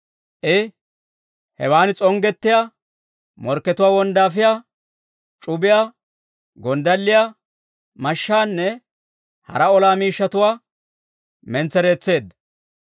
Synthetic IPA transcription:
ʔɪ | hɛ̰waːnɪt͡sʼɔŋɡɛt̪ːɪjaː | mɔɾkːɛt̪ʊwaːwɔnd̪aːf̬ɪjaː | t͡ʃʼʊbɪjaː | ɡɔnd̪ɐlːɪjaː | mɐʃːaːnːɛ | hɐ̰ɾɐɔlaːmiːʃːɐt̪ʊwaː | mɛnt͡sːɛɾe̞ːt͡sːe̞ːd̪ːɐ

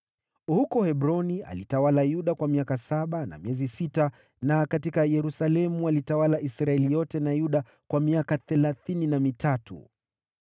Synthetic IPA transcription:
hukɔhɛɓɾɔnia̰litawalajuɗakwamiakasaɓana̰miɛzisita | nakatikajɛɾusalɛmualitawalaʔisɾaɛlijɔtɛnajuɗa | kwamiakaθɛlaθininamitʰatṵ

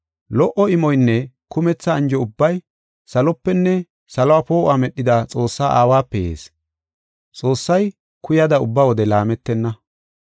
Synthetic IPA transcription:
lɔʔɔɪmɔjnːɛkʊmɛt͡sːɐːnd͡ʒɔʊbːɐj | sɐlɔpːɛnːɛ | sɐlɔwaːpo̞ːʔamɛɗːɪd̪at͡sʼo̞ːsːaːʔa̰ːwaːpːɛjḛːs | t͡sʼo̞ːsːɐj | kʊjɐd̪ɐʊbːawɔd̪ɛlaːmɛt̪ːɛnːɐ

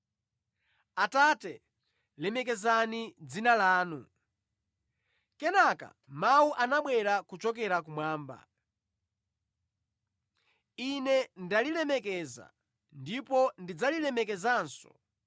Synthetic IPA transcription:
atatɛ | lɛmɛkɛzanid͡zinalaːnu | kɛnaka̰ | mauʔanaɓwɛɾakut͡ʃɔkɛɾakumwaːmba̰ | inɛndalilɛmɛkɛza̰ | ndipɔndid͡zalilɛmɛkɛzaːnsɔ̰

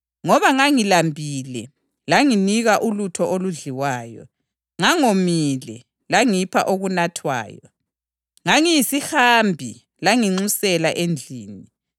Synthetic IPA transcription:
ŋɔβaŋaŋilambʱilɛ | laŋiniɣaʔulutʰɔʔoluɮiwaːjɔ̰ | ŋaŋomilɛ | laŋipʰaʔoɣunatʰwa̰ːjɔ̰ | ŋaŋijisihambʱi | laŋiŋ͡ǀusɛlaʔend͡ɮʱiːni

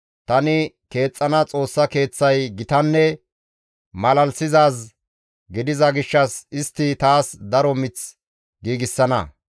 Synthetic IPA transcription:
t̪ɐnɪke̞ːt͡sʼːɐnɐt͡sʼo̞ːsːɐke̞ːt͡sːɐjɡɪt̪ɐnːɛ | mɐlɐlsɪzaːs | ɡɪd̪ɪzɐɡɪʃːɐsɪst̪ːɪt̪aːsd̪ɐɾɔmɪt͡s | ɡiːɡɪsːɐnɐ̰

